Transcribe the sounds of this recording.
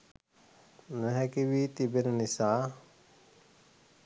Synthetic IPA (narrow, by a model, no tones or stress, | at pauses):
nəɦɛkiʋit̪ibennisaː